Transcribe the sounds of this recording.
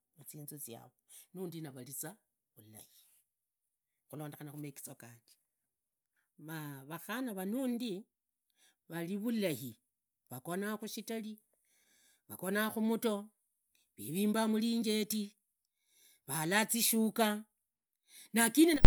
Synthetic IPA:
mut͡siːnzot͡sja̰βonuːndinaβalit͡sa | βula̰hi̥ | xulo̞ːndexanaxumeki̥t͡sokaːti̥ | βaβaxanaβanuːndi | βaliβulahi | βakonaxuʃitali | βako̞naxumuto̞ | βḭβiːmbamuliːɲɡe̞ti | βalat͡siʃuka | nakine

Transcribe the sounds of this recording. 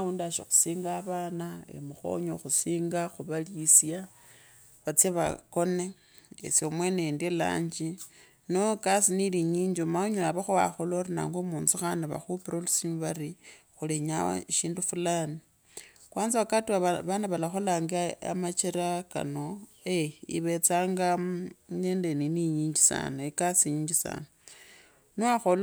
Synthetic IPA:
aundaʃo̰xu̥siːŋɡaβaːnaḛmuxo̞̰ɲoxusiːŋɡaxuβalisja | βat͡sjeβa̰ko̞ne̞ | ḛsomwenendela̰ːɲd͡ʒi | nokasiniliɲiːɲd͡ʒomaoɲoaβaxuwa̰xoloɾina̰ːŋɡomuːnzixanaβa̰xupiɾolisimuβari | xuleɲa̰ʃiːndufulani | kwaːnziakatuaβanaβalaxolaŋɡa̰mat͡ʃeɾaka̰no | eḭβe̞t͡saːŋɡaɲeːndeniniɲiːɲd͡ʒisa̰naekasiɲiːɲd͡ʒisa̰no | noaxol

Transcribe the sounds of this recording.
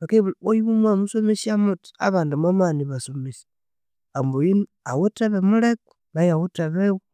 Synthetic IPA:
βakeβojiβumwamusomesiamuti̥a̰βaːndumamaniβasomisḁ | amboin | awuteβemuleku̥ | βajawuteβew

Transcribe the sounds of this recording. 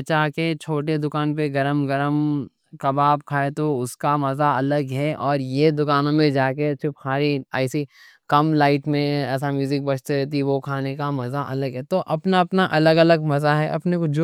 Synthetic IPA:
ɐt͡ʃaːket͡ʃʰoːʈ̬ed̪ʊkaːnpeɡɐɾəmɡɐɾəm | kɐbaːb̚kʰaːet̪oʊskamɐzaɐləɡɦɛʔɔːɾjed̪ʊkaːnõmẽd͡ʒaːket͡ʃʊphaːɾiaːsi | kɐmlaːɪʈmẽɛːs̬amjuːzɪk̚bɐt͡ʃʰt̪eɾɛːt̪̬iʋokʰaːnekamɐzaʔɐləɡɦɛt̪oʔɐpnaɐpnaʔɐləɡɐləɡmɐzaɦɛʔɐ̰pnekod͡ʒo

